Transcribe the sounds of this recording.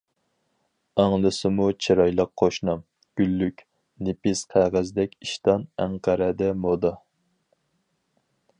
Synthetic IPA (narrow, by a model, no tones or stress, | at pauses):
ɑŋlˠɨsɨmut͡ʃʰiɾɑjlˠəqʰːoʃnɑm | ɡ̥ʲylːykʲ | nɪpɪsqʰæʁæzd̪ɛkʲiʃt̪ɑnæŋqʰæɾɛd̪ɛmod̪ɑ